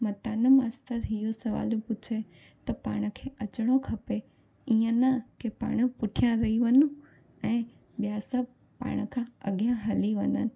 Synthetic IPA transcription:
mɐt̪aːnəmaːst̪əɾɦijosɐʋa̰ːlpʊt͡ɕʰe | t̪ɐpa̰ːɽ̃ə̆kʰeːʔɐt͡ɕɽ̃okʰɐpe | iːə̃nakepa̰ːɽ̃əpʊʈʰijãɾɐiʋɐnũ | ɛ̃ː | ɓijasɐb | pa̰ːɽ̃ə̆kʰãɐ̰ɠjãɦɐliʋɐnənɪ̆

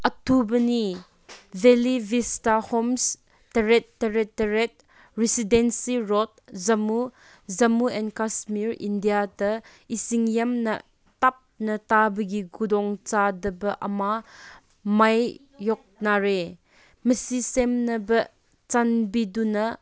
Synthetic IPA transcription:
ʔɐtubɐni | vɛlivistahoms | tɐɾɛtːəɾɛtːəɾɛt̚ | ɾisidɛnsiɾɔt̚zɐmu | zɐmuɛnkasmiɾḭndijatɐ | isiŋjɐmnɐ̰ | tap̚nɐtabəɡiɡudɔŋt͡ʃadəbɐʔɐma | mɐjː | ɔk̚naɾe | məsisemnɐbɐ | t͡sanbidunɐ

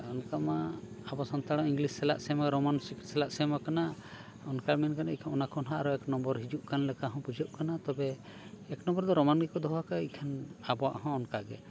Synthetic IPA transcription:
ɔnkamaabɔsɔnt̪aɽ̃ɔ̃iŋɡlisːɛla̰ʔsɛmaɡɛɾɔmansikʈsɛlaʔsɛmakana | ɔnkamɛnkanaikʰanɔnakɔnɦaʔaɾɔɛknɔ̃mbɔɾɦid͡ʒuʔkanlɛkaɦɔ̃pud͡ʒɔʔ̚kanat̪ɔbɛː | knɔ̃mbɔɾd̪ɔɾɔmanɡɛkɔd̪ɔɦakaikʰanabɔwaʔhɔ̃ɔnkaɡɛ

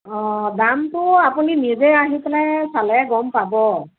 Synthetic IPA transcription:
ɔ̃damtʊapuninizɛaɦipɛlajsalɔɛɡɔmpabɔ

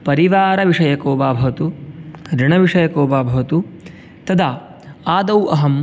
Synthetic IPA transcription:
pɐɾiʋaːɾɐʋiʂɐjɐkoːbaːbʱɐʋɐt̪uɾiɳɐʋiʂɐjɐkoːbaːbʱɐʋɐt̪u | t̪ɐd̪ʱaː | aːd̪ɐwʔɐɦɐm

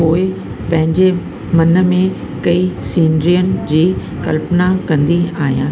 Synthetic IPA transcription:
oːɪ | pɐ̃ɦɪ̃ɲd͡ʑe | mɐnə̆mẽ | kɐisiːnɾijənɪ̆d͡ʑiː | kɐ̰lpnakɐ̃nd̪iaːɦijãː

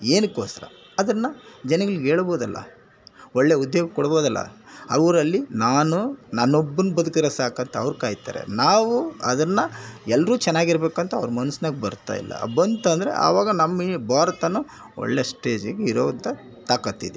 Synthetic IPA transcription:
eːnukoːsɐɾɐ̰ | ɐd̪ɐnːɐd͡ʒɛnɐɡɐɭiɡeːɭboːd̪ɐlːɐ̰ | ɔɭːeud̪joːɡɐkɔɽboːd̪ɐlːɐ̰ɐʋɐɾɐlːinaːnunɐnːobːɐnːubɐd̪ukiɾesaːkɐnt̪ɐɐʋɐɾukaːjit̪a̰ːɾḛnaːʋuɐd̪ɐnːɐɛlːɾuːt͡ʃɛnːaːɡiɾbe̞ːkɐnt̪ɐɐ̰ʋɐɾɐmɐnusɐnɐɡbɐɾt̪a̰ːjḭlːɐ̰bɐnt̪ɐnd̪ɐɾḛʔɐ̰ːʋaːɡɐnɐmːɐibʱaːɾɐt̪ɐnːu | ɔ̰ɭːeːsʈe̞ːd͡ʒɐɡeiɾoːʋɐnt̪ɐ | t̪aːkɐt̪ːid̪e

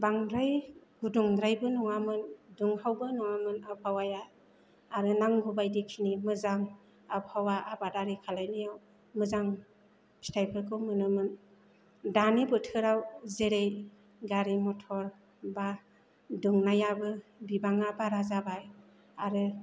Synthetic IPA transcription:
baŋdɾaj | ɡuduŋdɾajbɯnɔŋamɯnduŋhawbɯnɔŋamɯnap̚ʰawajaː | ɾɯnaŋɡubajdikʰinimɯzaŋ | abhawaʔabadaɾikʰalajnɯjaw | mɯzaŋ | stʰajpʰɯkʰɯmɯnɯmɯn | danibɯtʰɯɾawzeɾej | ɡaɾimɔtʰɔɾ | ba | duŋnajabɯbibaŋabaɾazabaj | aɾɯ

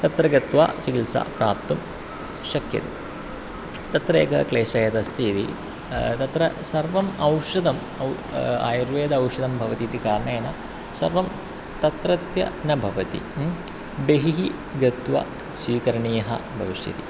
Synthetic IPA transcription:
t̪ɐt̪ɾɐɡɐt̪ʋa̰ːt͡ʃɐkilsa̰pɾa̰ːp̚t̪um | ʃɐkjɐ̰t̪ḭ | t̪ɐt̪ɾḛːkɐkleːʃɐjɐt̪ɐst̪ʰit̪ḭ | t̪ɐt̪ɾɐsɐɾʋɐmɐwʂɐd̪ɐm | ɐw | a̰ːjɐɾʋeːd̪ɐɐwʂɐd̪ɐmbʱɐʋɐt̪it̪ikaːɾɐɳɐjɐnɐ | sɐ̰ɾʋɐm | t̪ɐt̪ɾɐt̪jɐ̰nɐbʱɐʋɐt̪ḭ | beɦiɦi | ɡɐt̪ʋɐ̰ | sʋiːkɐɾɐɳiːjɐɦɐ̰bʱɐʋiʂjɐ̰t̪ḭ

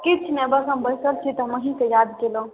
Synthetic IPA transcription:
kit͡ʃʰnɛbəsəmbəjsəlt͡ʃʰit̪əməɦĩkejad̪kelə̃

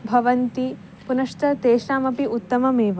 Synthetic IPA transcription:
bʱɐʋɐnt̪i | punɐʂt̪ɐt̪eːʃɾaːmɐpiʔut̪ːɐmɐmeːʋ

